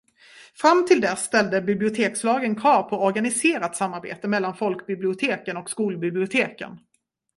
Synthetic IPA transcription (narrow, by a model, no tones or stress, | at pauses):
fɾamt̪ʰɪld̪ɛsːt̪ɛld̪əbɪblɪʊt̪ʰeːkslɑːɡənkʰɑːɾpʰɔɔɾɡanɪseːɾat̪samːaɾbḛːt̪əmɛlːanfɔlkbɪblɪʊt̪ʰeːkənɔkskuːlbɪblɪʊt̪ʰeːkə̰n